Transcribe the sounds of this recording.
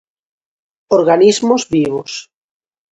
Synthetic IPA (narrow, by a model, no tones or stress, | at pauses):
oɾɣanizmozβiβos